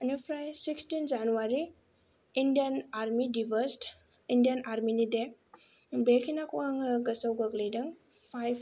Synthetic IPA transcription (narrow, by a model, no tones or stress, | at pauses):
ɐnupʰɾajsikstind͡ʒanuwaɾi | indijanaɾmidibʱɐɾst | indijanaɾminide | bekʰinakʰuaŋɡɐsawɡɐklejdɐŋ | pʰajb